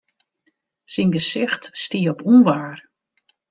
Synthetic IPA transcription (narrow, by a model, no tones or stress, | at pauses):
sinɡəsɪxtstiəɔpʰunʋaːr